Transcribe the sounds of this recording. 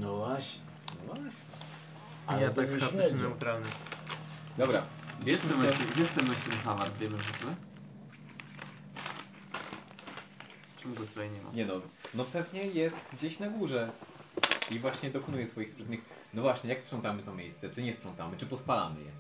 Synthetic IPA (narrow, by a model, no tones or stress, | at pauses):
nɔvwaɕɲɛnɔvwaɕɲɛ | aɲlɛt̪ak̪ɛnɛut̪ɾalnɘ | d̪ɔbɾajɛsɛmɛɔjɛst̪ɛmɛɕt̪ɾɘxavaɾvʲɛnɔʐɛt̪lɛ | t͡ʂɛmuɡɔt̪ulɛjɲɛma̰ɲɛnɔnɔpɛvɲɛjɛst̪ɡd͡ʑeɕnaɡuʐɛ | ivwaɕɲɛd̪ɔkɔnujɛsfɔjixspɾɛt̪ɲɨx | nɔvwaɕɲɛjakspʂɔnt̪amɘt̪ɔmʲjejst̪sɛt͡ʂɘɲɛspʂɔnt̪a̰mɘt͡ʂɘpɔt̪pala̰mɘ̰jɛ̰